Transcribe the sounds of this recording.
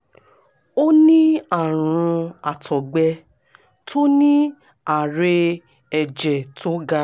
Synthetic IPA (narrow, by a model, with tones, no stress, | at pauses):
o˦nĩ˦a˦˨ɾ̃ũ˧a˨tʰɔ˨ɡ͡bɛ˧ | tʰo˦nĩ˦ | a˨ɾe˧ | ɛ˨d͡ʒɛ˨tʰo˦ɡa˦